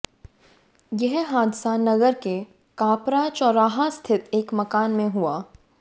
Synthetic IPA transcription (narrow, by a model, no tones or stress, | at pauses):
jɛɦɦaːd̪sanɐɡəɾke | kaːpɾaːt͡ʃɔːɾaːɦast̪ʰɪt̪eːkmɐkaːnmẽɦuaː